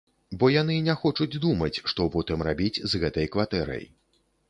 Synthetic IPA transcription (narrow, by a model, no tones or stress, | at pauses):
bɔjanɨnʲɛxɔt͡ʂud͡zʲd̪umɐt͡sʲʂt̪ɔpɔt̪ɨmrabʲit͡sʲzɣɛt̪ɐjkvat̪ɛɾɐ̰j